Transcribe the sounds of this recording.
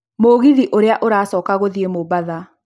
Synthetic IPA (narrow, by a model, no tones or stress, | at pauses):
moɣiðiʔoɾeaʔoɾaːsɔːkaɣoðiemobaða